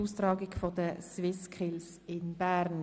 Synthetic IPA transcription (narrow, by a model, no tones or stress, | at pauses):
uːstɾɑːɡɪɡfodəsvɪskʰɪls | ɪnb̥æɾn